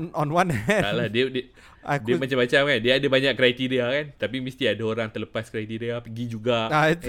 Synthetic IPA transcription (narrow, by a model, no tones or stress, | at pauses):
nɔ̃nwãnɛɛalahdiəd | ʔadkiəmat͡ʃambat͡ʃamkandiaadabaɲaʔkːɾajt̪iɾiakant̪apimist̪iadaoɾaŋt̪ərləpaskɾajt̪iɾiapəɡid͡ʒuɡaa